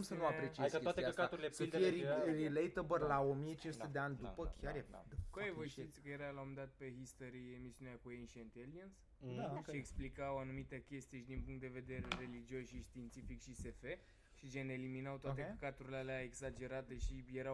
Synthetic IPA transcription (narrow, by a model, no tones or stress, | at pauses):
msənuapɾet͡ʃieskəaeaəkat̪uɾilesfieɾiɾilejt̪əbərlao̞mijet͡ʃinsut̪ed̪eanʲd̪upəkʰʲaḛd̪koajevəʃt̪it̪sʲkəjeɾalaomd̪at̪̚pe̞ɦist̪oɾiemisiuneakuenʃent̪eliəns | ʃieksplikawanumit̪ekʲest̪ijeʃid̪inpuŋkt̪̚d̪e̞ve̞d̪e̞ɾeɾe̞lid͡ʒiosʃiʃt̪int̪sifikʃise̞fe | ʃit͡ʃeneliminawt̪oat̪ekəkat̪uɾilealeaeksad͡ʒe̞ɾat̪e̞ʃijeɾa